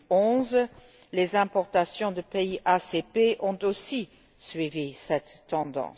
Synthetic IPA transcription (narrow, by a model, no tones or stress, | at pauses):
ɔ̃ːz | lezɛ̃pɔʁt̪asjɔ̃d̪əpeiʔasepeʔɔ̃t̪osi | sɥivisɛt̪ːɑ̃d̪ɑ̰̃s